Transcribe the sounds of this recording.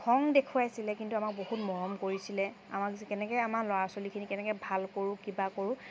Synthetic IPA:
kʰɔŋdekʰuajsilɛkintuamak̚bohutmɔɹɔmkoɹisilɛ | a̰makskɛnɛkɔjamalɔaɹsolikʰinikɛnɛkɛbʱalkoɹʊ̃kibakoɹʊ̃

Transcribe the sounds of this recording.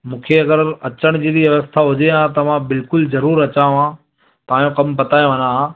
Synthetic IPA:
mũːkʰeɐɡəɾɐt͡ɕəɽ̃d͡ʑid̪iʋjɐʋəst̪ʰaɦʊd͡ʑeɦãt̪̬ɐʋãbɪlkʊlzɐɾuːɾɐt͡ɕãːã | t̪ɐãːjõkɐmpɐt̪aːjõʋə̃nãã

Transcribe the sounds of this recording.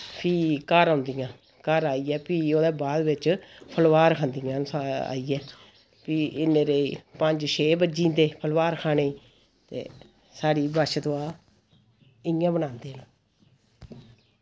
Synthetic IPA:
pʰiːkəɾãːnd̪ijãː | kəɾaːiːɛːpiːoːd̪eːbaːd̪ʋɪt͡ʃpʰəlʋaːɾkʰãːnd̪ijãːsaa̰ːiːɛː | piːɪneːɾeipəɲd͡ʒʃʰeːbəd͡ʒĩːnt̪eːpʰəlʋaːɾkʰaːneːiː | t̪ḛː | saːɽiːbaːʃt̪oːaː | ɪjãːbənãːnd̪eːnː

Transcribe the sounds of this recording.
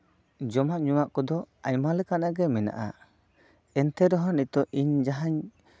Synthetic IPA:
d͡ʒɔmaʔɲuwaʔkɔd̪ɔajmalɛkanaɡɛmɛna̰ʔa̰ | ɛnt̪ɛɾɔɦɔnit̪ɔʔiɲd͡ʒaɦaɲ

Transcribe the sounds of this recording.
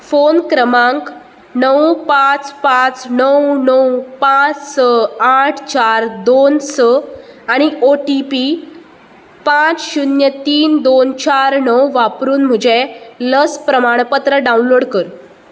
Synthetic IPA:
fonkɾəmãŋk | nəwpat͡spãt͡snəwnəwpat͡ssəaʈʰt͡ɕaɾd̪onsəaɽ̃ioʈipi | pãt͡sɕunjət̪iːnd̪ont͡ɕaɾnəwʋapɾuːnm̤əd͡ʑeləspɾəmaɽ̃pət̪ɾəɖaunloɽkəɾ

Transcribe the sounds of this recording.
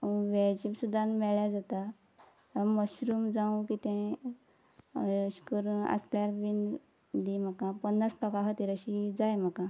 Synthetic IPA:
ʋɛd͡ʑipsud̪ʱːãnmɛɭjad͡zat̪a | əməɕɾuːmd͡zaũkit̪ɛ̃ | ɕkəɾunə̰sljaɾʋin | d̪im̤əkapənːasʈəkaɦət̪iɾəɕid͡zajm̤akã

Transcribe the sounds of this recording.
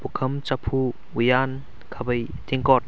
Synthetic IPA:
pukʰɐmt͡ʃapʰu | ujan | kʰabɐj | t̪ʰiŋkɔt̚

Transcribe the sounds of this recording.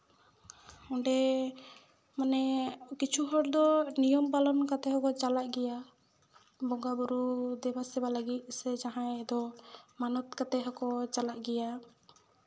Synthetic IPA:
ɔɖɛ | manɛkit͡ʃʰuɦɔɽd̪ɔnijɔmbalɔnkat̪ɛɦɔkɔt͡ʃalaʔɡɛja | bɔŋɡabuɾud̪ɛbasɛbaləɡit̪̚ˀsɛd͡ʒaɦãɛd̪ɔmanɔt̪̚kat̪ɛɦɔkɔt͡ʃalaʔɡɛja

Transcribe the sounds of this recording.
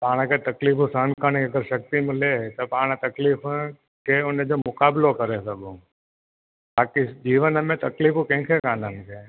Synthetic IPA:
paːɽ̃kʰet̪ɐkliːfũsəːnkəɽ̃iɐɡəɾʃɐk̚t̪imɪlet̪ɐpaːɽ̃t̪ɐkliːf | kʰeʊnəd͡ʑoːmʊkaːbɪlokɐɾesɐɡũ | baːkid͡ʑiːʋənəmẽt̪ɐkliːfukɛ̃ɦɪ̃kʰekaːnənɪkʰeː

